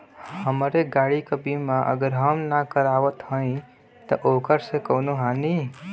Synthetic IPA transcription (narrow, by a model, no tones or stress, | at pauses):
həmɾeɡaɽikəbimaʔə̰ɡəɾɦəmnakəɾaʋət̪ɦə̃ĩ | t̪əʔokəɾsẽkəʊnoɦani